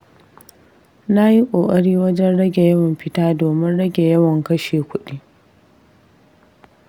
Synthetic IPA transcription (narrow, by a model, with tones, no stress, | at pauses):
na˦ji˦kʷʼoː˨kʼɐ˦ɽiː˦wɐ˦d͡ʒɛ˦nɽɐ˦ɡʲe˨jɐ˦wɐ˨mɸɪ˦taː˦doː˨mɪ˦nɽɐ˦ɡʲe˨jɐ˦wɐ˨ŋkɐ˦ʃeː˨kʷʊ˦ɗiː˦